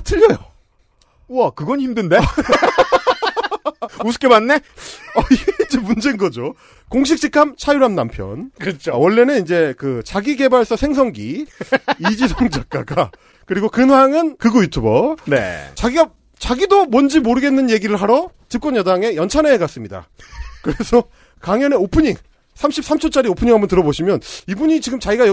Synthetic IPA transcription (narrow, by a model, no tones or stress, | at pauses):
tʰɯʎːʌjo̰ | wʌkɯɡʌɲiçimdɯnde | us̬ɯ̥k͈emanːeʌeind͡ʑe̞mund͡ʑenɡʌd͡ʑo | koŋɕ̬ʰik̚t͡ɕ͈ʰikʰamt͡ɕʰajuɾamnampʰjʌ̰nkt͡ɕʰowʌɭːe̞nɯnind͡ʑe̞kɯt͡ɕaɡiɡe̞baɭs͈ʌsʰe̞ŋs̬ʰʌŋɡi | id͡ʑisʰoŋd͡ʑak̚k͈a̰ɡa | kɯɾiɡokɯnɦwaŋɯnkɯɡojutʰubʌnet͡ɕaɡiɡa | t͡ɕaɡidomwʌnd͡ʑimoɾɯɡe̞nːɯnje̞ɡiɾɯɭɦaɾʌ | t͡ɕip̚k͈wʌnjʌdaŋe̞jʌnt͡ɕʰaneːkas͈ɯmɲida̰kɯɾe̞sʰʌ | kaŋjʌneopʰɯɲiŋ | sʰamɕʰip̚s͈ʰamt͡ɕʰʌt͡ɕ͈aɾiopʰɯɲiŋɦambʌntɯɾʌboɕʰimjʌnibuɲit͡ɕiɡɯmt͡ɕaiɡaj